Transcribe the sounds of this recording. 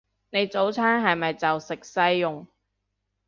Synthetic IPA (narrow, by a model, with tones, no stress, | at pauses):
ne˨˧jt͡so˨˥wt͡sʰaː˥nɦɐ˨jmɐ˨jt͡sɐ˨wsɪ˨k̚sɐ˥jːʊ˨ŋ